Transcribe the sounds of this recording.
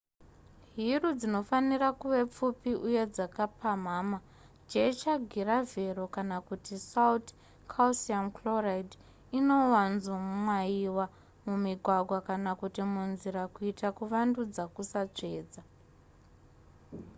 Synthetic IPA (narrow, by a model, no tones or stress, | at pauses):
ɦirud͡zino̞fanirakuʋe̞p͡fupiʔuje̞d͡zakapʰam̤aːma | d͡ʒet͡ʃaɡʱiɾave̞ɾo̞kanakutisaut | kʰausiankloraid | ino̞wanzomwaiwa | mumiɡʱwaɡʱwakanakutimunziɾakuitakuʋandud͡zakusat͡ʂe̞ːd͡za